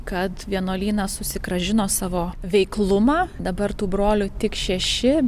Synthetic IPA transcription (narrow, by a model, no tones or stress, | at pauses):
kɐt̪ʋʲiɛnoːlʲiːnɑːsʊsʲɪkɾɐʒʲɪnoːsɑːʋoːʋʲɛɪklˠʊmɑːd̪ɐbɐrt̪uːbɾoːlʲʊt̪ʲɪkʃʲɛʃʲɪ